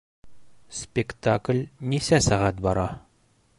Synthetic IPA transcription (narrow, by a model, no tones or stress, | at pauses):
spʲɪkt̪aklʲnisæsæʁæt̪̚bɒɾɑ